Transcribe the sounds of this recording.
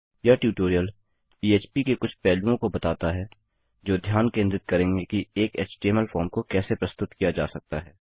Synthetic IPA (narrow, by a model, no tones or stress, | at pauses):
jaʈjuːʈoːɾijəl | iːeːt͡ʃpikekʊt͡ʃʰpɛːlũõkobɐt̪aːt̪aɦɛː | d͡ʒoːd̪ʱjaːnkẽːnd̪ɾɪt̪̚kɐɾẽːŋɡekieːkeːt͡ʃʈeːməlfɔːɾmkokɛːsepɾɐst̪ʊt̪kijad͡ʒa̰ːsɐk̚t̪aɦɛː